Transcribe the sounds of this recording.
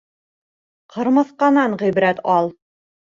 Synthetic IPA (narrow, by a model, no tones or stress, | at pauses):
qʰɤ̆ɾmɤ̆θqɑnɑɴʁibɾæt̪ɑlˠ